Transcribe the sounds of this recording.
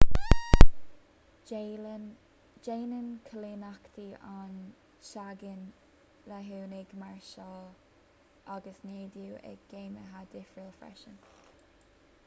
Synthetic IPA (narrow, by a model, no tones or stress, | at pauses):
d͡ʒeːnənkʰəlenakt̪ʰian | ʃaɡən | laɦuːnɪɡmaɹʃɔː | ʔaɡəsneːd̪juːʔɛ̰ɡ̥eːməɦad̪ɪfɹiːlfɾɛ̰ʃən